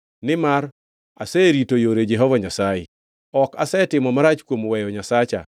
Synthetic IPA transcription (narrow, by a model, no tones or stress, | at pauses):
nɪmar | a̰sɛɾitojoɾed͡ʒɛɦɔvaɲasajɪ̰ | ɔkasɛtɪmɔmaɾat͡ʃkwomwɛjɔɲasat͡ʃa̰